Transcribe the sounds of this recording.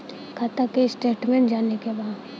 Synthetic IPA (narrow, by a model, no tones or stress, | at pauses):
kʰat̪akeɪsʈeːʈmẽːɳʈd͡ʒaːnekebaːd̪